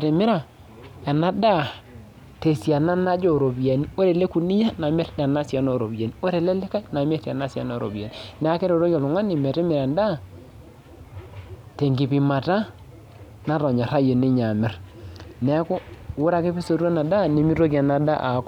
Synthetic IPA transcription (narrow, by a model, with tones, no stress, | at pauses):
te˨mɪ˦ɾa˨ | ɛ˨na˦da˦˨ | te˨sja˨na˦na˦d͡ʒo˦˨ɾo˨bi˨ja˨ni˦o˦ɾe˨le˦ku˨ni˦ja˦na˨mɛ˦ɾda˨na˦sja˨no˦˨ɾo˨bi˨ja˨ni˦o˦ɾe˨le˦lɪ˦ka˦na˨m˦e˦ɾa˨na˦si˨a̰˨no˦˨ɾʔo̰˨bi˨a̰˨ni˨nɛ˨˦a˦ke˦ɾo˨ɾo˦kja˨lʊ˨ŋa˦ni˨mɛ˨ɾe˦mɪ˨ɾa˨nda˦˨ | te˨ŋɡi˨pi˨ma˨ta˦ | na˦ɾɔ˨ɲa˨ɾa˦jo˨ni˦ɲa˨mɪ˨rnɛ˦ko˦wʊ˦ɾa˨ke˦pi˦so˨ɾu˦a˦na˨da˦ne˨mi˦ɾo˦ki˨a˨na˨da˦ʔa̰˨˦k